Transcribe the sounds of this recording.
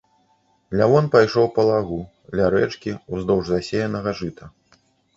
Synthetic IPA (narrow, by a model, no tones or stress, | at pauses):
lʲavɔnpajʂɔwpɐlˠaɣu | lʲaɾɛt͡ʂkʲiuzd̪ɔwʐzasʲejɐnɐɣɐʐɨt̪ɐ